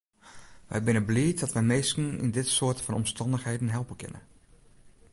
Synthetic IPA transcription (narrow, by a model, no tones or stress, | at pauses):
ʋɛ̰jbɪnəbliət̚dɔtʋɛmeːstn̩ḭndɪtsoːətfɔnɔmstɑndəxhejdən̩ɦɛlˠpənkʰɪ̰nə̰